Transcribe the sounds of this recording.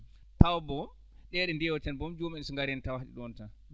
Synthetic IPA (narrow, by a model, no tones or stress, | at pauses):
tawbɔ | ɗɛɗɛndiɛwɔtɛnbɔmd͡ʒoːmiɛnsɔŋɡaɾɛntawahɗḭɗɔnta